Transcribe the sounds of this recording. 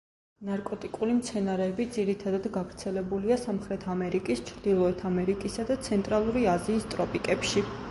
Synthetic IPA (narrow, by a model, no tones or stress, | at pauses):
naɾkʼɔt̪ʼikʼulimt̪sʰɛnaɾɛːbid̪ziɾit̪ʰad̪ad̪ɡavɾt̪sʰɛlɛbuliasamχɾɛt̪ʰamɛɾikʼist͡ʃʰɾd̪̥ilˠɔɛt̪ʰamɛɾikʼisad̪at̪sʰɛnt̪ʼɾalˠuɾiaziːst̪ʼɾɔpʼikʼɛpʃi